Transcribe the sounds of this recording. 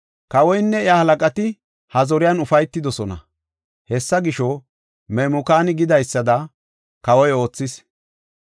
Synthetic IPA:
kɐwɔjnːɛɪahɐlɐkʼɐt̪ɪ | hɐzɔɾɪjanʊfɐjt̪ːɪd̪ɔsɔnɐ̰ | hɛsːɐɡɪʃɔ | mɛmʊkaːnɪɡɪd̪ɐjsːɐd̪ɐ | kɐwɔjo̞ːt͡sːɪs

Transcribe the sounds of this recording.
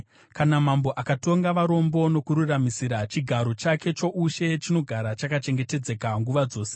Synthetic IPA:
kanamambo̞ʔakato̞ŋɡaʋaɾo̞mbo̞no̞kuɾuramisiɾat͡ʃiɡʱaɾo̞t͡ʃake̞t͡ʃo̞ʔuʃe̞t͡ʃino̞ɡʱaɾat͡ʃakat͡ʃe̞ŋɡe̞te̞d͡ze̞kaŋɡuʋad͡zo̞ːse̥

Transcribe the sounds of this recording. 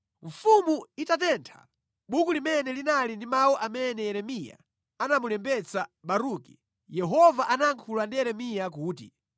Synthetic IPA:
ɱ̩fumuitat̬ɛntʰa̰ | ɓukulimɛnɛlinalindimawɔʔamɛnɛjɛɾɛmija̰ | anamulɛmbɛt͡saɓaɾuːki | jɛɦɔvaʔanaŋkʰulandijɛɾɛmijakuːti

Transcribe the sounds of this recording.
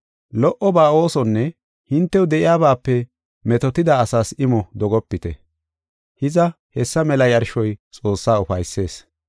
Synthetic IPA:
lɔʔɔbaːo̞ːsɔnːɛ | hɪnt̪ːɛwd̪ɛʔɪjaːbaːpːɛ | mɛt̪ɔt̪ɪd̪aːsaːsɪmɔd̪ɔɡɔpːɪt̪ɛ̰ | hɪzɐ | hɛsːɐmɛlɐjɐɾʃɔjt͡sʼo̞ːsːaːʊfɐjsːe̞ːs

